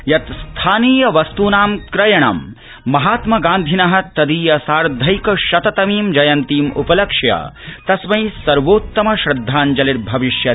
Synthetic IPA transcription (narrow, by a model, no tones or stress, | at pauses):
jɐt̪st̪ʰaːniːjɐʋɐst̪uːnaːmkɾɐjɐɳɐ̰mː | ɐɦaːt̪mɐɡaːnd̪ʱinɐɦɐt̪ɐd̪iːjɐsaːɾd̪ʱɐjkɐʃɐt̪ɐt̪ɐmiːmd͡ʒɐjɐnt̪iːmṵpɐlɐkʂjɐ̰t̪ɐsmɐjsɐɾʋoːt̪ːɐmɐʃɾɐd̪ʱːaːnd͡ʒɐliɾbʱɐʋiʃjɐ